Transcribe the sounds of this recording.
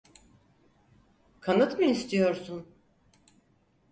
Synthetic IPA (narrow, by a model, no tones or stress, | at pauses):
kʰanɯt̪mɯist̪ʰijo̞ɾsun